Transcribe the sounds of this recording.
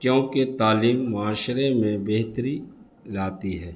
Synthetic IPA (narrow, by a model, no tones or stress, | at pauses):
kjõːket̪aːliːmːʊaːʃɾemẽbeɦt̪əɾi | laːt̪iɦɛː